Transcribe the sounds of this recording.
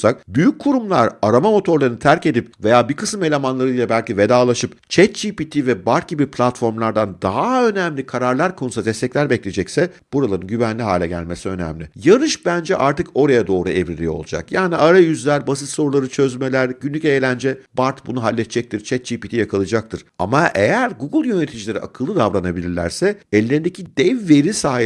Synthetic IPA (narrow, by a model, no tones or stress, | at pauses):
sak̚byjyc̚ʰːuɾumlˠaɾaɾamamo̞t̪ʰo̞ɾlˠaɾɯnɯt̪ʰæɾce̞d̪ipve̞jaːbikʰɯ̥sɯme̞lʲemanlˠaɾɯilʲˠɛbælʲcive̞d̪aːlˠaʃɯpt͡ʃʰɛt̪̚d͡ʒipit̪ʰivɛbaɾt̪̚ɟibipʰlʲat̪fo̞ɾmlˠaɾd̪and̪aɦaø̞næmlʲikʰaɾaɾlˠaɾkʰo̞nusad̪ɛst̪ʰɛclʲæɾbɛclʲe̞d͡ʒɛcsɛ | b̥uɾalˠaɾɯnɟyvænlʲiɦaːlʲɛɟæ̰lʲme̞siø̞næ̰mlʲijaɾɯʃbænd͡ʒɛʔaɾt̪ɯko̞ɾajad̪o̞ːɾuɛvɾilʲijo̞̰lˠud͡ʒa̰kjaːniʔaɾajyzlʲæɾbasit̪so̞ɾulˠaɾɯt͡ʃʰø̞zmelʲæɾɟynlʲycʲejlʲænd͡ʒɛbaɾt̪bunuɦalʲːɛt̪t͡ʃd͡ʒɛc̚t̪ʰiɾt͡ʃʰɛt̪̚d͡ʒipit̪ʰijakʰalˠɯd͡ʒak̚t̪ʰɯɾ̥a̰maʔejæɾɡuɡɯlˠjø̞net̪ʰid͡ʒilʲe̞ɾiʔakʰɯlˠːɯd̪avɾanabilʲiɾlʲæ̰ɾsɛɛlʲːeɾind̪ecʰid̪ɛvːe̞ɾisaː